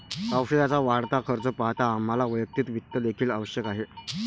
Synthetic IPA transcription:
kawʂilat͡saʋaɽt̪akʰəɾt͡səpaɦt̪aːm̤alaʋəjək̚t̪iːt̪ʋit̪ːəlekʰiːləʋəɕjəkaɦe

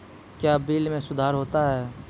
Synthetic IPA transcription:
kjaːbiːlmẽsʊd̪ʱaːɾɦoːt̪aɦɛː

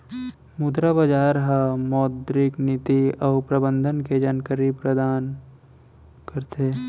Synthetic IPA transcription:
mud̪ɾabɐd͡ʒaːɾɦamɔːd̪ɾɪknɪt̪iɔːpɾəbə̃nd̪ʱənked͡ʒɐnkəɾipɾəd̪aːn | kəɾt̪eː

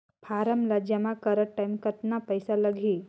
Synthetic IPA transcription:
pʰaɾəmlad͡ʒəmakəɾəʈːajmkət̪napəjsaləɡʱi

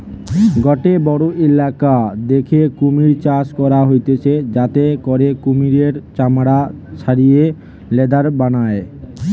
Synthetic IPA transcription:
ɡɔʈebɔɽoʔelakad̪ekʰekumiɾt͡ɕaskɔɾaɦojt̪et͡ɕʰed͡ʑat̪ekɔɾekumiɾeɾt͡ɕamɽat͡ɕʰaɾije | lɛd̪aɾbanae

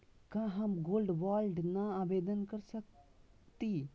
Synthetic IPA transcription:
kãːɦɐmɡoːlɖʋaːlɖnaaːʋeːd̪ənkəɾsək̚ | t̪i

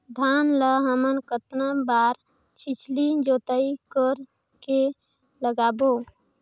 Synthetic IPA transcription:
d̪ʱanləɦəmənkət̪nabaɾ | t͡ʃʰit͡ʃʰlid͡ʒot̪əikəɾ | ke | ləɡabo

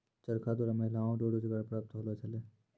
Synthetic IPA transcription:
t͡ʃəɾkʰad̪oːɾaməɦɪlaːõɖoːɽod͡ʒəɡaːɾpɾaːp̚t̪ɦoːlot͡ʃəleː

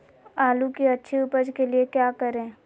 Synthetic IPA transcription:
aːlukiɐtːʃʰiʊpəd͡ʒkeliekjaːkəɾẽː

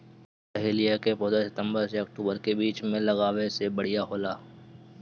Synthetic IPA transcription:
pɛɦeːlijakepɔːd̪ɾsɪt̪ə̃mbəɾseɐk̚ʈuːbəɾkebiːt͡ʃmẽlɐɣaːʋesebɐɽ̤ijaɦoːlaː

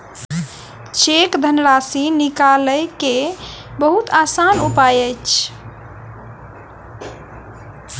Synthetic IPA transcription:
t͡ʃekd̪ʱənɾasinikaləjke | bəɦut̪asanupajəjt͡ʃʰ

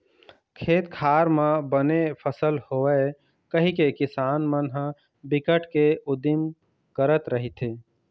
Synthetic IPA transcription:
kʰeːt̪kʰaːɾmẽbənepʰəsəlhoə | kəɦikekɪsaːnmənɦ | bɪkəʈʰkeʊd̪im | kəɾət̪ɾəɦit̪ʰe

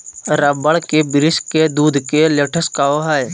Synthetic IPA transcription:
ɾəbəɭkebɪɾɪsked̪uːd̪ʱkeleːʈʰəskaːoɦaj

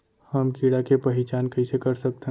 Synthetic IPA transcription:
hɐmkiːɽakepɐɦɪt͡ʃaːnkɐisekɐɾsɐk̚t̪eɦ

